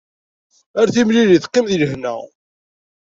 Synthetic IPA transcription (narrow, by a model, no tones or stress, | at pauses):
æɾθimliðiθqːimðiləhnæ̰